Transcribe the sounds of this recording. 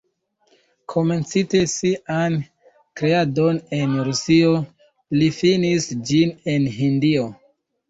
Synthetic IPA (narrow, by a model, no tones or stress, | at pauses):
kʰo̞me̞nt͡site̞sian | kɾe̞ado̞ne̞nɾusio | lifinisd͡ʒine̞nɦindio̞